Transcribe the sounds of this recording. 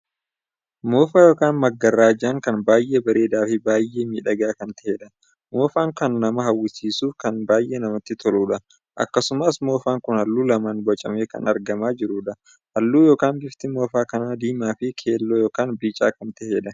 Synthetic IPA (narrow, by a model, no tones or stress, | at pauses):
moːfaːjoːkaːnmɐɡːɐrːaːd͡ʒaːŋkɐnbaːjʔebɐɾeːd̪aːfɪbaːjʔeːmiːᶑɐɡaːkɐnt̪ɛ̥heːᶑɐ | moːfaːŋkɐnːɐmɐɦɐwːɪsiːsuːfkɐnbaːjʔeːnɐmɐt̪ːɪt̪ʰɔluːᶑɐ | ʔɐ̰kːɐsʊmɐsmo̞ːfaːŋkʊnhɐlːuːlɐmaːnbɐt͡ʃʼɐme̞ːkɐ̰nɐɾɡɐmaːd͡ʒɪɾuːᶑɐ | hɐlːuːjo̞ːkaːnbɪft̪ɪmoːfaːkɐnaːd̪iːmaːfɪkʰe̞ːlːoːjoːkaːnbiːt͡ʃʼaːkɐnt̪ɛheːᶑɐ